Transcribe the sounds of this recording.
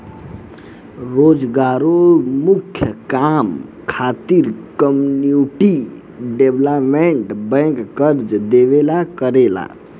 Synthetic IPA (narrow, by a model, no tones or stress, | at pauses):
ɾod͡ʒɡaɾomukʰjəkam | kʰat̪iɾkəmunjuʈi | ɖebləpmeɳʈbə̃ŋkːəɾd͡ʒd̪eβelakəɾela̰